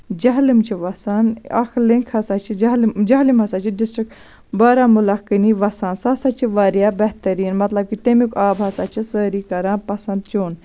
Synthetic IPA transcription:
d͡ʒɐɦlimt͡ʃʰiʋɐsanɐ̰kʰliŋkʰhɐsaːt͡ʃʰid͡ʒld͡ʒɐɦlimɦɐsaːt͡ʃʰiɖisʈɾik | bɐːɾaːmulɐkɨniʋɐsaːnsɐsaːt͡ʃʰiʋɐɾjaːbɐɦt̪ɐɾiːnmɐt̪lɐb̚kit̪emikaːbɦɐsaːt͡ʃʰisəːɾikɐɾãːpɐsɐnd̪̚t͡ʃʰoːn

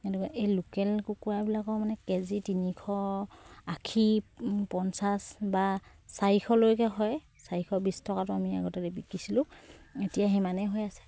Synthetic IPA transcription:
enukaʔejlukɛlkukuabilakɔmanɛkezitinikʰɔ | akʰipɔnsasba | saikʰɔlojkɛɦɔj | saɹikʰɔbistʰɔkatʊamia̰ɡɔtɛlɛbikisilʊ̃etijaɦɛmanɛɦojasɛ̥

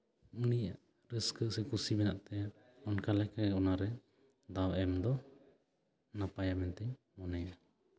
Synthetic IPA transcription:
unijaʔ | ɾəskəʔsɛkusibɛnaʔt̪ɛja | ɔnkalɛkaɔnaɾɛ | d̪awɛmd̪ɔ | napajamɛnt̪ɛɲ | mɔnɛja

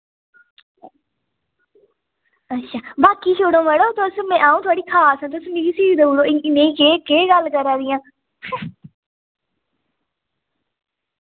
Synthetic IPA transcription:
ətːʃʰaːbaːkiːt͡ʃʰoːɽõːməɽoːt̪osmɛ̃ːʔaːũːt̪ʰʊaːɽiːkʰaːsɦãːt̪osmɪɾiːsid̪ouːɽoːɪɪnẽːikeːkeːɡəlkəɾaːd̪ɪjãː

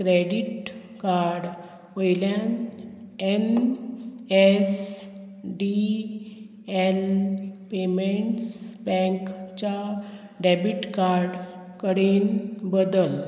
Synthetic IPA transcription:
kɾeɖiʈ | kaɾɖ | ʋojljan | en | es | ɖi | enpemeɳʈsbɛ̃ŋkt͡ɕa | ɖɛbiʈkaɾɖ | kəɽenbəd̪əl

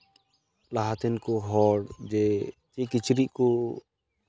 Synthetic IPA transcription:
laɦat̪ɛnkuɦɔɽd͡ʒɛt͡ʃɛkit͡ʃɾiʔku

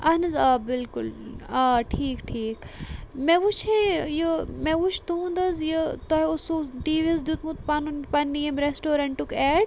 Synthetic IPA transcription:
ɐnɐzɐbɪlkʊlɐʈʰiːkʈʰiːkmeʋut͡ʃʰejəmeʋut͡ʃʰt̪uũd̪ɐzjət̪oɦeusuɖiːʋezd̪jut̪mut̪̚pɐnunpɐnːijɐmɾesʈoːɾɐɳʈʈukɛːɖ

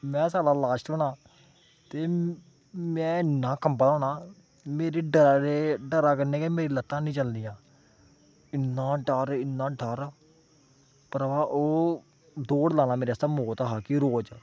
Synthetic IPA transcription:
mɛ̃ːsaːɽaːlaːʃʈəɳãː | t̪eː | mɛ̃ːɪnːãːkəmpəloːnaː | meːɾeːɖəɾɾeːɖəɾaːkəɾneːkeːmeːɾiːlət̪ːãːnĩːt͡ʃəld̪ijãː | ɪnːãːɖəɾɪnːãːɖəɾ | pəɾʋaːʔoː | d̪oːɽlaːnãːmeːɾeasaːmoːt̪aːɦaːkiɾoːd͡ʒ

